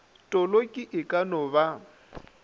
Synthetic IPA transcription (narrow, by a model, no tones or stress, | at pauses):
tʼɔlokʼɪʔɪkʼanɔba